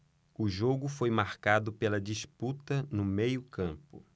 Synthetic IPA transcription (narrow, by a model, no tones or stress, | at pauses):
ʊʒoɡʊfojmaɾkad̪ʊpelɐd͡ʒisput̪ɐnʊmejʊkɐ̃mpʊ